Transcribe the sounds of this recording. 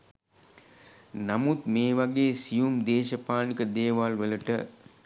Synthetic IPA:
namut̪meːʋaɡeːsijumd̪eːʃəpaːnikəd̪eːʋaːlʋələʈə

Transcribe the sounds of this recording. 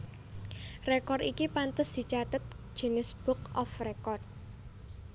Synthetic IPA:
rekɔrikipant̪əsd̪̥i̤t͡ʃat̪ət̪̚d̥ʒ̥ə̤nɪsb̥ʊkʔɔfrekɔrt̪̚

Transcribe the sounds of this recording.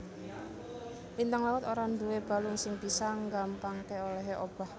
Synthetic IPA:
ʔint̪aŋlawʊt̪oɾand̪uweb̥a̤lʊŋsɪŋb̥isaŋɡampaŋkeoleɦeʔob̥a̤h

